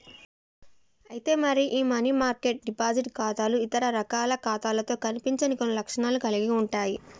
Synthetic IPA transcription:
ɐjit̪e̞ːmɐɾiʔiːmɐnimaːɾke̞ʈ̚ɖipaːd͡ʒiʈkaːt̪aːluit̪ɐɾɐɾɐkaːlɐkaːt̪aːlɐt̪o̞ːkɐnipiɲt͡ʃɐnikonːilɐkʂɐɳaːlukɐliɡiuɳʈaːji

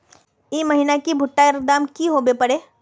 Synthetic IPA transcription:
imɐɦinakibʱʊʈːaɪɾk̚d̪aːmkiɦoːbepɐɽeː

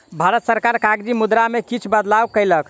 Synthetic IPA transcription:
bʱaɾət̪səɾkaɾkaɡd͡ʒimud̪ɾamekit͡ʃʰbəd̪lawkəjlək

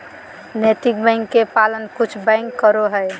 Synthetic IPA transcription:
net̪ik̚bɛ̃ŋkːepalənkut͡ʃʰbɛ̃ŋkːəɾoɦəj

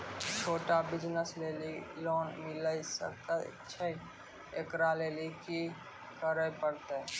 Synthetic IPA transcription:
t͡ʃʰoːʈabɪd͡ʒnəsleːliloːnmɪləisə̰kt͡ʃʰɛ | ekɾaleːliki | kəɾəpəɾt̪e

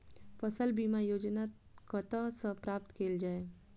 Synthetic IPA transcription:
fəsəlbiːmajoːd͡ʒna | kət̪asəpɾaːpt̪kʰeːld͡ʒaːe

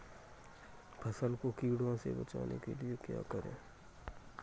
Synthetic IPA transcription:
bʰʱɐsənkokiːɽãsḛbɐt͡ʃa̰ːnḛkeliekja̰kəɾḛ̃ː

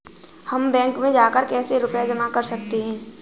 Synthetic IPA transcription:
hɐmbɛ̃ːŋkmẽd͡ʒaːkəɾkɛːseɾʊpjad͡ʒɐmakɐɾsɐkt̪eɦɛ̃ː

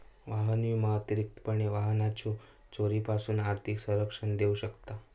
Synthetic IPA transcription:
ʋaɦəniimat̪ɾik̚t̪pəɳeʋaɦənat͡ɕʰu | t͡soɾipasuːnaɾt̪ʰiksəɾəkʂənd̪euɕəkt̪a

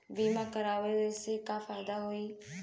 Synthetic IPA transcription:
biːmãkəɾaːʋeesekãːfaːjd̪aɦoiː

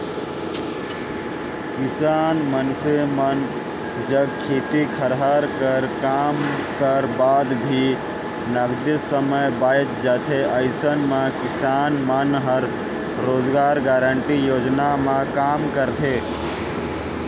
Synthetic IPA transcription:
kɪsaːnmənpʰemən | d͡ʒəɡkʰet̪ikʰəɾɦaɾkəɾkamkəɾbaːd̪bʱi | nəɡd̪ɪsəməjbajt̪d͡ʒat̪ʰeəɪsənmẽkɪsaːnmənɦəɾ | ɾoːd͡ʒɡaːɾɡaɾəɳʈijoːd͡ʒnamẽkaːmkəɾt̪ʰe

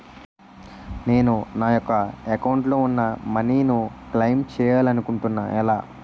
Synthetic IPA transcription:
ne̞ːnunaːjɔkɐekɐwɳʈlo̞ːunːɐmɐniːnuklɐjmt͡ʃɛːjaːlɐnukuɳʈunːa̰ːʔɛlaː

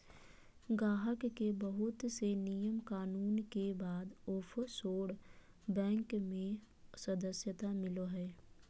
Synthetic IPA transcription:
ɡaːɦəkːebəɦʊt̪senijəmkaːnuːnkebaːd̪ʊpʰsoːɽ | bɛ̃ːŋkmẽ | səd̪əsjət̪amɪloɦɛː

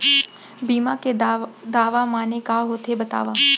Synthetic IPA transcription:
biːmaked̪aːʋamaːnekaɦoːt̪ebɐt̪a̰ːʋaː

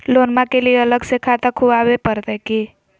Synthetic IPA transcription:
lonmakelieələɡsekʰat̪akʰuwawepəɾt̪ɛki

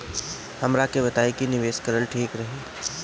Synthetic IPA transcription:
hɐmɾakebɐt̪aːekinɪʋeːskəɾəlʈʰeːkɾɐɦeː

